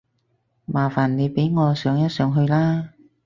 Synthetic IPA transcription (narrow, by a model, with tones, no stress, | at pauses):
maː˨˩faː˨˩nne˨˧jpe˨˥jŋɔː˨˧sœː˨˧ŋjɐ˥t̚sœː˨˧ŋɦɵ˧ɥlaː˥